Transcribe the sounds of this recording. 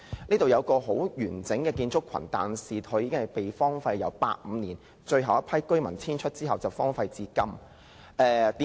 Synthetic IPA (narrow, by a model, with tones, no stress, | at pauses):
niː˥t̪o˨wjɐ˧wkɔː˧ɦo˨˥wjyː˨˩nt͡sɪ˨˥ŋkɛː˧kiː˧nt͡sʊ˥kʰːɐ̰˨˩nt̪a̰ː˨˩nsiː˨˩t̪ʰɵ˨˧˥jiː˧kɪ˥ŋhɐ˨˩jpe˨˩jfɔː˥ŋfɐ˧jːɐ̰˨˧wpa̰ː˧t̚m̩ː˨˧niː˨˩n | t͡ʃɵ˧ɥɦɐ˨wɐ˥pʰɐ˥jkɵ˥ɥmɐ˨˩nt͡sʰiː˥nt͡ʃʰɵ˥t̚t͡siː˥ɦɐ˨wt͡sɐ˨wfɔː˥ŋfɐ˧jt͡siː˧kɐ˥m | ʔɛː˨˧t̪iː˨˦